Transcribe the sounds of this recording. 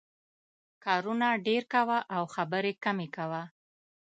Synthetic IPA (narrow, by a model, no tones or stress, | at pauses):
kɑɾunaɖeɾkawaʔawxabəɾekamekawa